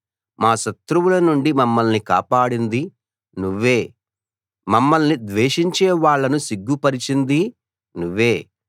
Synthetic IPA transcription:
maːʃɐt̪ɾuwulɐnuɳɖimɐmːɐlnika̰ːpaːɽind̪i | nuʋːe̞ː | mɐmːɐlnid̪ʋeːʂiɲt͡ʃeːʋaːɭːɐnusiɡːupɐɾit͡ʃind̪i | nuʋːe̞ː

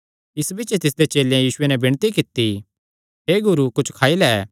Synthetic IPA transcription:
ɪsbɪt͡ʃet̪ɪs̬d̪et͡ʃeːlẽjiːsʊenɛbɪɽ̃t̪ikɪt̪i | ɦeːɡʊɾukʊt͡ʃʰkʰaːilɛɛ

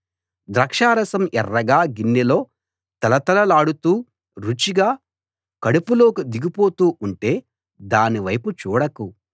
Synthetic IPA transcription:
d̪ɾɐkʂaːɾɐsɐmʔɛrːɐɡaːɡinːilo̞ː | t̪ɐlɐt̪ɐlɐlaːɽut̪uː | ɾut͡ʃiɡaː | kɐɽupulo̞ːkud̪iɡipo̞ːt̪uːuɳʈe̞ː | d̪aːniʋɐjput͡ʃuːɽɐku

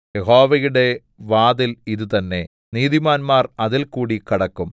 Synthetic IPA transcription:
jeɦo̞ːʋɐjuɽe̞ | ʋaːðiliðut̪ɐnːe̞ | niːðimaːnmaːrɐðilkuːɽikɐɽɐkːum

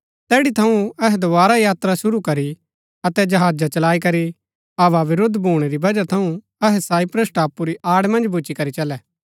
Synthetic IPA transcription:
t̪ɛːɽit̪ʰɐũɐɦɛd̪obaːɾajaːt̪ɾasʊɾukɐɾi | ɐt̪ɛd͡ʒɐɦaːd͡ʒat͡ʃɐlaːikɐɾi | ɐʋaʋɪɾʊd̪bʱuːɽ̃eɾibɐd͡ʒat̪ʰɐũ | ɐɦɛsaːipɾeːsʈaːpːuɾiʔaːɽmɐ̃nd͡ʒbʱʊt͡ʃikɐɾit͡ʃɐlɛː

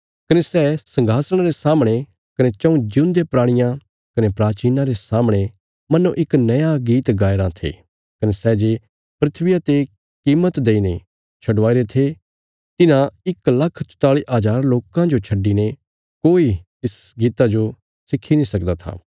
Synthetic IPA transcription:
kɐnesɛːsɐ̃ŋɡʱaːsɽ̃aɾesaːmɽ̃e | kɐnet͡ʃɐ̃ũd͡ʒʊ̃nd̪epɾaːɽ̃ɪjã | kɐnepɾaːt͡ʃiːnaɾesaːmɽ̃e | mɐnuʔɪknɐjãɡiːt̪ɡaːɪɾãt̪ʰḛː | kɐnesɛd͡ʒeː | pɾɪt̪ʰʋɪjat̪e | kiːmːət̪d̪eːine | t͡ʃʰɐɖʋaːiɾet̪ʰe | t̪ɪnãɪklɐkʰt͡ʃʊ̥t̪aːɭiʔaːd͡ʒaːɾloːkãd͡ʒot͡ʃʰɐɖine | koːit̪ɪsɡiːt̪ad͡ʒo | sɪkʰːinĩsɐkd̪at̪ʰa̰ː

